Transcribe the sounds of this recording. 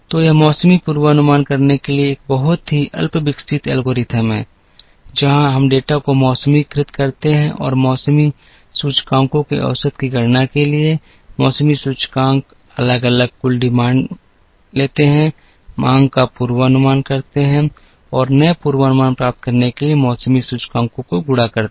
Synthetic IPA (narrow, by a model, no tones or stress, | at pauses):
t̪ojemɔːsəmipuːɾwənʊmaːnkɐɾnekelieːk̚bɐɦʊt̪ɦiʔɐ̰lpbɪksɪt̪ɛːlɡoːɾɪt̪ʰəmɦɛ̰̃ː | d͡ʒɐɦãɦɐmɖeːʈakomɔːsəmikɾɪt̪kɐɾt̪eɦɛ̃ʔɔ̰ːɾmɔːsmi | suːt͡ʃkãːŋkõkḭʔɐ̰ʋsət̪kiɡɐɽnakelie | mɔːsəmisuːt͡ʃkãːŋɡ | ɐləɡələɡ̚kʊlɖɪmãːɳɖ | leːt̪eɦɛ̃ | mʔãːŋɡkapuːɾwəənʊmaːnkɐɾt̪eɦɛ̃ | ɔːɾnəepuːɾwənʊmaːnpɾaːp̚t̪̚kɐɾnekeliemɔːsəmisuːt͡ʃkãːŋkõkoɡʊɽakəɾt̪e